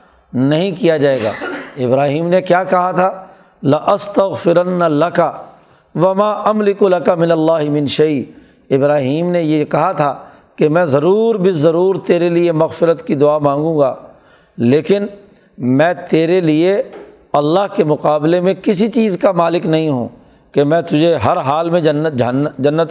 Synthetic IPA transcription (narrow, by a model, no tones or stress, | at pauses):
nɐɦĩkijad͡ʒaːeːɡa̰ːɪbɾaːɦiːmnekjaːkɐɦat̪ʰaː | lɪʔɐst̪ɐɣfɪɾɐnːlɐka | ʋɐmaːʔɐmlɪkulɐkamɪnɐlːaːɦɪmɪ̃nʃɐɪ | ɪbɾaːɦiːmnejekɐɦat̪ʰa | kemɛ̃ːzɐɾuːɾbʱizːɐɾuːɾt̪eːɾeliemɐɣfɪɾət̪kid̪ʊaːmãːŋɡũːɡaː | leːkɪn | mɛ̃ːt̪eːɾelie | ɐlːaɦkemʊqaːblemẽkɪs̬it͡ʃiːzkamaːlɪknɐɦĩɦṵ̃ː | kemɛ̃ːt̪ʊd͡ʒʱeɦɐɾɦaːlmẽd͡ʒɐnːəd͡ʒɐɦnːd͡ʒɐnːət̪